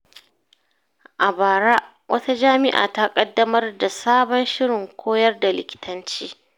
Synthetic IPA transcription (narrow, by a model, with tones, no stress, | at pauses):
ʔa˨baː˨ɾa˦ | wʔɐ˦ta˦d͡ʒaː˦mɪ˦ʔa̰ː˨ta˦kʼɐ˦dːɐ˦mɐ˦rda˨saː˦bɔ˦nʃɪ˦ɽɪ˨ŋkʷoː˦jɐ˦rda˨lɪ˨kʲɪ̥˨tʰɐ˦nt͡ʃiː˦